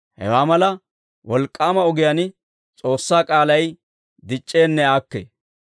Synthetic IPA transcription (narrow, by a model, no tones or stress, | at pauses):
hɛ̰waːmɐlɐ | wɔlkʼːaːmɐɔɡɪjan | t͡sʼo̞ːsːaːkʼaːlɐj | d̪ɪt͡ʃʼːe̞ːnːɛaːkːḛː